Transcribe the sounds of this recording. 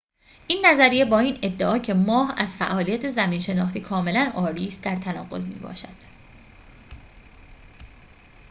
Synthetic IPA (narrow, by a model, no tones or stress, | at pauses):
ʔiːnːæzæɾijebɒːiːne̞d̪ːeʔɒːcʰe̞mɒːɦæz̥fæʔɒːlijæt̪ʰe̞zæmiːnʃe̞nɒːxt̪iːkʰɒːme̞lænʔɒːɾiːst̪̚d̪æɾt̪ʰænɒːɣo̞̰zmḭːbɒ̰ːʃæd̪̥